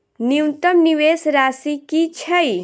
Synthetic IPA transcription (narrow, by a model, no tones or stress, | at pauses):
niwt̪ɐmniwesɾasikit͡ʃʰɐj